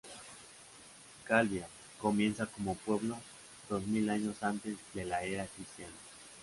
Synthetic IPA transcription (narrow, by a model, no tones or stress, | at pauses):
kalβja | ko̞mje̞nsako̞mopwe̞βlo̞ | d̪̥o̞zmilaɲo̞sant̪e̞zd̪e̞laeɾakɾist̪jan